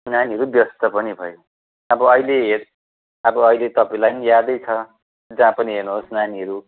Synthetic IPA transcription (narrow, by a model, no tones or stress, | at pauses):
naniɦʌɾubjʌst̪ʌpʌnibʱʌjo | ʌbʌʌileɦer | ʌbʌʌilet̪ʌpaĩlajnijad̪ʌjt͡sʰʌ | d͡zãpʌniɦernuɦosnaniɦʌɾu